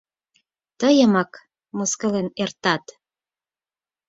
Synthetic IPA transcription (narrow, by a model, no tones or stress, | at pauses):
t̪əjə̆mɑk | moskə̆lenert̪ɑt̪